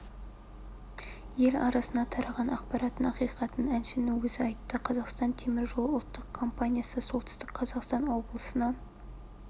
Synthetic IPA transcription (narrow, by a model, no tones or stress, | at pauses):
je̞lɑɾɑsənɑt̪ʰɑɾɑʁɑnɑqpɑɾɑt̪ənɑqijqɑt̪ənænʃɪnɪwɵzɪɑjt̪ːəqʰɑzɑqst̪ɑnt̪ʰemɪɾʒolˠəʊlˠt̪ːəqkʰo̞mpanʲijasəso̞lˠt̪ɪ̥st̪ɪkqʰɑzɑqst̪ɑnwo̞blˠəsənɑ